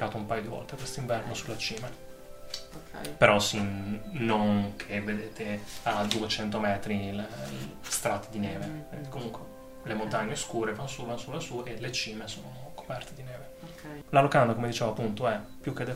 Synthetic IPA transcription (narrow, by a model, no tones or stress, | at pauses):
aːt̪oumpajod̪ivɔ̰lt̪ekwest̪oiɱvɛrnosulːat͡ʃiːma | peɾɔsinnːonkʰevːed̪eːt̪ʰead̪uet͡ʃɛnt̪omɛːt̪ɾilest̪ɾat̪ːed̪inɛːveked̪ikomuŋkwe | lemont̪aɲːeskuːɾevanːosuvanːosulːasuelet͡ʃiːmesoːnonokʰo̥pɛrt̪ed̪inɛːve | lalokand̪akomed̪it͡ʃeːvoapːunt̪oɛpːjuk̟ːed̪ɛ